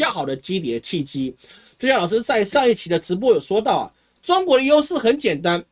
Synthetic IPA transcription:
ja˥˩xɑ˨˩ʊd̪ə˦t͡ɕi˥t̪̬jɛ˨˩d̪ə˦t͡ɕʰi˥˩t͡ɕi˥ | t͡ɕɕjɑ˥˩ŋlɑ˨˩ʂɻ̩˥t͡sa˥˧ɪʂɑ˥˧ŋi˥˩t͡ɕʰi˧˥d̪ə˧ʈ͡ʂɻ̩˧˥p̬wɔ˥jo˨˩ʊʂwɔ˥t̪ɑ˥˩ʊɐ̰˩ | ʈ͡ʂʊ˥ŋkwɔ˧˥d̪ə˧jo˥ʊʂɹ̩˥˩xə˧˥nt͡ɕjɛ˨˩nt̪a˥n

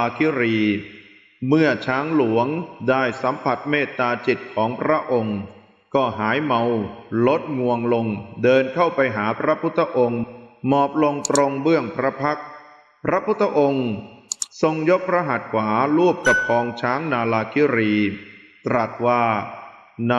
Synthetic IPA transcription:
kʰi˦˥ɾiː˧ | mɯ˥˩ɐət͡ɕʰaː˦˥ŋlu˩˦əŋdaː˥˩jsa˩˦mpʰa˨˩t̪̚meː˥˩t̪ːaː˧t͡ɕi˨˩t̪̚kʰɔː˩˦ŋpʰɾa˦˥ʔo˧ŋ | kɔː˥˩ɦaː˩˦jma˧wlo˦˥t̪̚ŋu˧əŋlo˧ŋdɤː˧nkʰa˥˩wpa˧jɦaː˩˦pʰɾa˦˥pʰu˦˥t̪ʰːa˧ʔo˧ŋmɔː˨˩p̚lo˧ŋt̪ɾo˧ŋbɯ˥˩əŋpʰɾa˦˥pʰa˦˥k̚ | pʰɾa˦˥pʰu˦˥t̪ʰːa˧ʔo˧ŋ | so˧ŋjo˦˥k̚pʰɾa˧˥ɦa˨˩t̪̚kʰwaː˩˦lu˥˩p̚ka˨˩p̚kʰɔː˧ŋt͡ɕʰaː˦˥ŋnaː˧laː˧kʰiː˦˥ɾiː˧t̪ɾa˨˩t̪̚waː˥˩ | n

